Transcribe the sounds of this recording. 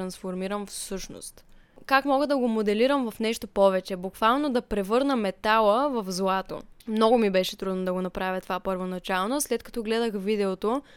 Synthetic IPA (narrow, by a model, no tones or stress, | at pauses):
ɾɐnsfoɾmiɾəmfsɤʃno̰st̪kakmɔɡəd̪ɐɡomod̪ɛliɾəmvɐfnɛʃt̪opɔvɛt͡ʃɛbukvalˠnod̪ɐpɾɛvɤɾnəmɛt̪alˠəvɐfzlˠat̪o̰mnɔɡomibɛʃɛt̪ɾud̪nod̪ɐɡonɐpɾavʲjət̪ovapəɾvonɐt͡ʃalˠnoslɛt̪̚kɐ̥t̪ɔɡlɛd̪əxvid̪ɛot̪o